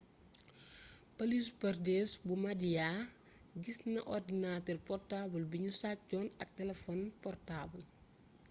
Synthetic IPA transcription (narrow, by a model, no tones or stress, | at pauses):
pɐlispɐrdɛːsbumɐdija | ɟisnɐ̰ʔɔrdinaːtɛrpɔrtaːbɐlbiɲusat͡ʃːɔːnɐk̚tɛlɛfɔnpɔrtaːbɐl